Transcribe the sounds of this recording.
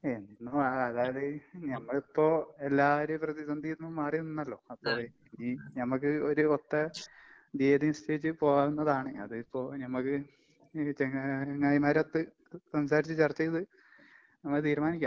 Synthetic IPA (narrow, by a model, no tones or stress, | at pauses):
enːinːoaɐðaːjɐðeɲɐmːɐɭipːo̞ːe̞lːaːʋɐɾeprɐðisɐnd̪ʱinːumaːrijunːinːɐlːo̞ːɐpːo̞ː | ninɐmːɐkːɨoɾuot̪ːɐ | d̪eːd̪instʰeit͡ɕːɨpo̞ːɣaunːɐðaːɳɨɐðɨipːo̞ːnɐmːɐkːɨ | t͡ɕeŋŋːajimaːɾɐt̪ːɨ | sɐmsaːɾit͡ɕːɨt͡ɕɐrt͡ɕːɐjðɨ | nɐmːɐɭɨt̪̬iːɾmaːnikʲːaː